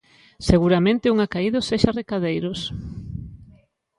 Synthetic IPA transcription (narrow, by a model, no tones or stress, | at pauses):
seɣuɾamẽnt̪ɪuŋakaiðoseʃarekaðejɾʊs